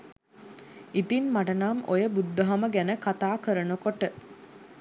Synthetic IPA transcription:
it̪inmaʈənaːmojəbud̪ːəɦaməɡænəkat̪aːkəɾənəkoʈə

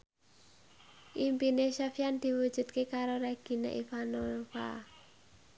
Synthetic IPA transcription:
ʔimpineʃafjand̪̥i̤wud̥ʒ̥ṳt̪̚kekaɾoɾaɡ̥i̤na̰ʔifanofa̰

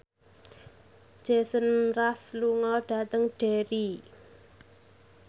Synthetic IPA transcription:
ʒ̥esənrasluŋɔɖ̥ä̤t̪əŋɖ̥eɾi

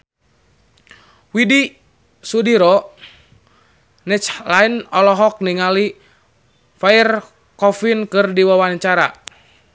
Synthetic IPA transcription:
widi | sudiɾɔ | nɛt͡ʃlainɔlɔɦɔk̚niŋali | fair | kɔfinkɨrdiwawaɲt͡ʃaɾa̰

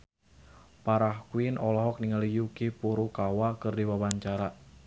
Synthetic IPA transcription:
paɾahkwinʔɔlɔɦɔk̚niŋalijukipuɾukawakɨrdiwawaɲt͡ʃaɾa

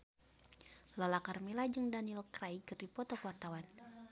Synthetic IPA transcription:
lalakarmilad͡ʒɨŋdanilkɾajkɨrdipɔt̪ɔkuwart̪awan

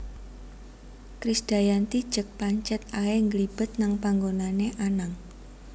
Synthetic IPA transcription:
kɾisd̪̥a̤jant̪id̥ʒ̥ək̚paɲt͡ʃɛt̪aeŋɡəlib̥ət̪̚naŋpaŋɡonaneʔanaŋ

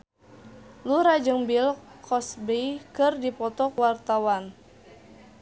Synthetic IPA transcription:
luɾad͡ʒəŋbilkʰɔsbejkɨrdipɔt̪ɔkwart̪awan

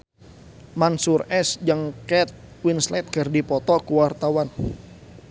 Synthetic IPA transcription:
mansurɛsd͡ʒəŋkɛt̪̚ | winslɛt̪̚ɡ̥ərdipɔt̪ɔkuwart̪awan

